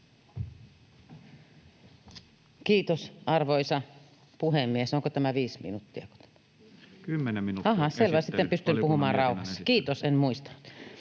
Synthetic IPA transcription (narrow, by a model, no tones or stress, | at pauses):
kiːt̪osʔɑrʋoisɑ | puhemːiesoŋkot̪æmæʋiːsmḭnut̪ːiɑko̥t̪æ̥mæ | kymːnɑɦɑselʋɑsit̪ːepyst̪ympuhumɑːnrɑˑuhɑsːɑ̥kiːt̪osenmuist̪ɑ̥nːut̪